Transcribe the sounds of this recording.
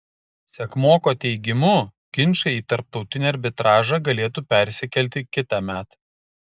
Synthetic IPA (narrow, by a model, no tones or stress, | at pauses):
sʲɛkmoːkoːt̪ʲɛɪɡʲɪmuː | kʲɪnʲt͡ʃɐiːt̪ɐɾp̚t̪ɒʊt̪ʲɪnʲeːɐɾʲbʲɪt̪ɾɑːʒɑɡɐlʲeːt̪uːpʲæˑɾʲsʲɪkʲɛlʲt̪ʲɪkʲɪt̪ɑmʲæːt̪